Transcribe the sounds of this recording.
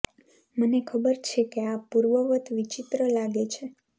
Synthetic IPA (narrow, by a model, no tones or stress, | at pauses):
mənekʰəbəɾt͡ʃʰekeapuɾʋəʋət̪ʰʋit͡ʃit̪ɾəlaɡet͡ʃʰe